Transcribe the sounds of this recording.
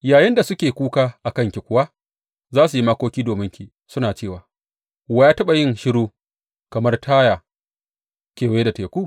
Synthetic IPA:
jaː˨jɪ˦nda˨sʊ˦kʲeː˨kʷuː˦kaː˦ʔa˨kɐ˦˨ŋkʲi˨kʷʊ˦wa˦ | zaː˦su˨ji˦ma˦kʷoː˦kʲiː˦doː˨mɪ˦ŋkʲi˨ | sʊ˦naː˨t͡ʃeː˦˨waː˨ | wa˦jaː˦tɐ˦ɓa˨jɪ˦nʃɪ˦ɽuː˦ | kɐ˨mɐ˦rtʰaː˦jaː˨ | kʲeː˨wjeː˦da˨teː˨kʷuː˦˨

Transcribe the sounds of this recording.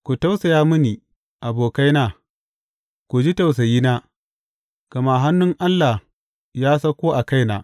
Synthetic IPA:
kʷu˨ta˦wsa˨jaː˦mʊ˦niː˨ | ʔa˨boː˨ka˦jnaː˦ | kʷu˨d͡ʒi˦ta˨ws̬ɐ˨jiː˦naː˦ | ka˨ma˨ɦa˦nːʊ˦ŋʔa˦lːa˨h | jaː˦sɐ˦kʷoː˦ʔa˨ka˦jna̰ː˨

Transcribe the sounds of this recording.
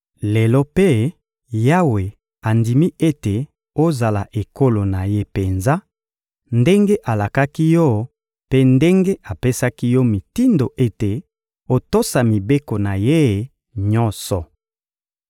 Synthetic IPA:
le˨lɔ˦pe˦ | ja˦we˨ | a˨ndi˨mi˦ʔe˦te˨ | o˦za˨la˨ʔe˨ko˦lo˨na˨je˦pe˨nza˦ | nde˦ŋɡe˦ʔa˨la˨ka˦ki˦jɔ˦ | pe˦nde˦ŋɡe˦ʔa˨pe˦sa˦ki˦jɔ˦mi˨ti˦ndo˨ʔe˦te˨ | o˦to˦sa˨mi˨be˦ko˨na˨je˦˨ | ɲɔ̃˦sɔ˨

